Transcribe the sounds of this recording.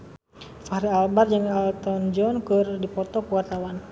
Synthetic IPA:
fahɾialbard͡ʒaŋalt̪ɔnd͡ʒɔnkɨrdipɔt̪ɔkəwart̪awan

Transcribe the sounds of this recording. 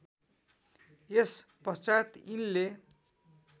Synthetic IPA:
espʌst͡sajt̪inle

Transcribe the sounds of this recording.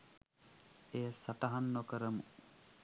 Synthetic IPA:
eːsaʈaɦanːokəɾəmu

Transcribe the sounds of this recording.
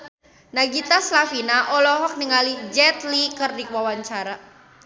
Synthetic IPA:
naɡit̪aslafinaʔɔlɔɦɔk̚nəŋalid͡ʒɛt̪likərdiwawaɲt͡ʃaɾa

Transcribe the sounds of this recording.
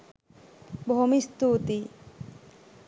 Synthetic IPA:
bʱɔɦomist̪ut̪i

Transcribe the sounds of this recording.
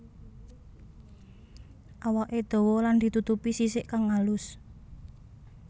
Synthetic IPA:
ʔawaʔed̪̥o̤wɔland̪̥i̤t̪ut̪upisisɪʔkaŋːalʊs

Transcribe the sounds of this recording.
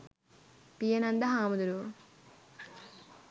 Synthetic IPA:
pijɐnɐnd̪ɐɦaːmud̪uɾuʋ

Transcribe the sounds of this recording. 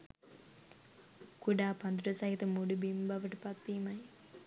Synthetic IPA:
kuɽaːpɐnd̪uɾɐsaːɦit̪ɐmuɽubimbɐʋɐʈpɐkt̪imɐj

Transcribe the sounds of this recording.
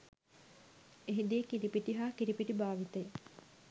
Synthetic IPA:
eɦid̪ijekiɾipiʈiɦaːkiɾipiʈibaːʋit̪əj

